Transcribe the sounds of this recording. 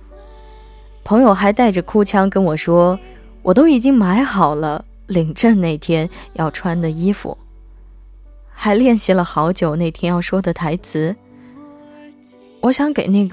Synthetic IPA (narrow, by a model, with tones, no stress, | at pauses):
pʰɤ˧˥ŋjo˧ʊxa˧˥ɪt̪a˥˩ɪʈ͡ʂə˩kʰu˥t͡ɕʰjɑ˥ŋkə˥nwɔ˨˩ʂwɔ˥ | wʔɔ˨˩t̪o˥ʊi˨˩t͡ɕi˥ŋma˧˥ɪxɑ˨˩ʊlə˦ | li˨˩ŋʈ͡ʂə˥˧nne˥˩ɪt̪ʰjɛ˥njɑ˥˩ʊʈ͡ʂʰwa˥nd̪ə˨i˥fṵ˨˩ | xa˧˥ɪljɛ˥˩nɕi˧˥lə˧xɑ˧˥ʊt͡ɕjo˨˩ʊne˥˩ɪt̪ʰjɛ˥njɑ˥˩ʊʂwɔ˥d̪ə˨t̪ʰa˧˥ɪt͡sʰɹ̩˧˥ | wɔ˧˥ɕjɑ˧˥˦ŋke˨˩ɪne˥˩ɡ